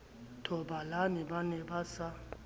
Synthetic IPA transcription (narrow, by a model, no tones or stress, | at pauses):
tʰɔɓalanɛɓanɛɓasa